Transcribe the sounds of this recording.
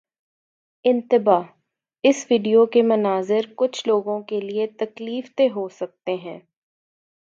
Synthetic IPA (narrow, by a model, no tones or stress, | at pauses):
ɪ̃nt̪ɪbaː | ɪsʋiːɖijokemɐnaːzɪɾkʊt͡ʃʰloːɡõkeliet̪ɐkliːft̪eɦosɐk̚t̪eɦɛ̃ː